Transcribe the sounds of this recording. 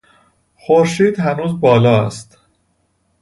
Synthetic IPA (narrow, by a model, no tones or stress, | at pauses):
xoɾʃiːd̪hænuːzbɒːlɒːæst̪